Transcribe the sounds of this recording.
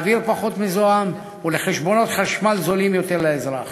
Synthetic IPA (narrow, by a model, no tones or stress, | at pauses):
viɾpaχo̞t̪mizoam | uleχeʃbo̞no̞t̪χaʃmalzolimjo̞t̪e̞ʁleezʁaχ